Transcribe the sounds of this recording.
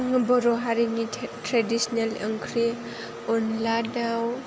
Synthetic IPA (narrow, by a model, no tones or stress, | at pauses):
ŋbɔɾɔɦaɾiŋitɾadisɔnaləŋkʰɾe | ɔnladaw